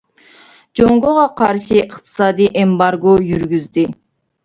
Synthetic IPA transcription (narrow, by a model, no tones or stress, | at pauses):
d͡ʒoŋɡoʁɑqʰɑɾʃiəχt̪ʰɨ̥sɑːd̪iʔembɑɾɡojyɾɡʲyzd̪ɪ